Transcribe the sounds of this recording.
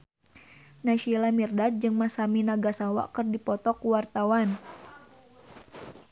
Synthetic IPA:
naʃilamirdat̪̚d͡ʒɨŋmasaminaɡasawa̰ʔkərdipɔt̪ɔkuwart̪awan

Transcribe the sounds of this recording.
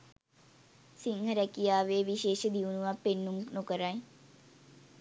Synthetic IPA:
siŋɦəɾɛkijaːʋeːʋiʃeːʃəd̪iunuʋapːenːumnokəɾaj

